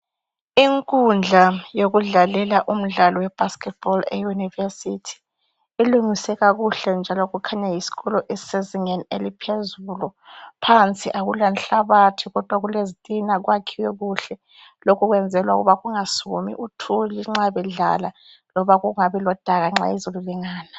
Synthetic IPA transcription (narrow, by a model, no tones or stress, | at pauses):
iŋkʼund͡ɮʱajoɣuɮalɛlaʔum̩ɮalɔwɛb̥ʱaskɛt̚b̥ɔlɛ̰junivesitʰi̥ | iluŋisɛɣaɣuɬɛnd͡ʒʱalɔɣukʰaɲajisi̥ɣɔlɔʔɛseziŋanelipʰezulɔpʰant͡sʼiʔaɣulanɬaβatʰiɣɔd̥ʱwaɣulezitʼinaɣwakʰiwɛɣuɬɛ | lokʰuɣwɛnd͡zʱɛlwa̰ɣṵβaɣuŋasumḭʔutʰuliŋ͡ǁaβɛɮa̰la | lɔβaɣuŋaβɛlɔd̥ʱaɣaŋ͡ǁa̰izoluliŋaːna